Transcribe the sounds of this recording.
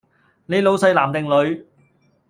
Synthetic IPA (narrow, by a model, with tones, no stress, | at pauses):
ne˨˧jlo˨˧wsɐ˧jlaː˨˩mt̪ɪ˨ŋlɵ˨˧ɥ